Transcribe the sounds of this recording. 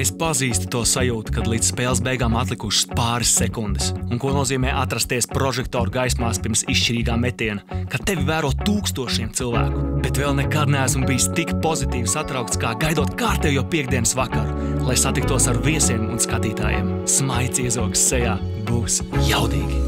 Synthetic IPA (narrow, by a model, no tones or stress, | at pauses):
espaziːst̪u̥t̪uɔsajuːt̪u̥kad̪lˠiːd̪sspɛːlˠsbɛjɡaːmat̪lˠikuʃspaːɾɪsːekund̪ɪsuŋkuɔnuɔziːmɛːʔat̪ɾast̪ːiɛspɾɔʒɛk̚t̪ɔːɾuɡajsmaːspiɾmsiʃt͡ʃiɾiːɡaːmet̪iɛnakat̪evivæːɾuɔtt̪ːuːkst̪uɔʃiɛmt̪silˠvæ̰ːku̥b̥et̪vɛlˠnɛkad̪nɛæsmubijst̪ikpozit̪iːvisat̪ɾawkt̪skaːɡajd̪uɔt̪kaːɾt̪ɛwjowpiɛɡd̪iɛnsvakaɾlˠajsat̪ik̚t̪uɔsaɾviɛsiɛmṵnskat̪iːt̪a̰ːjḭɛmsmajt̪siɛzuɔɡsːɛjaː | buːsjawd̪iːɡʲi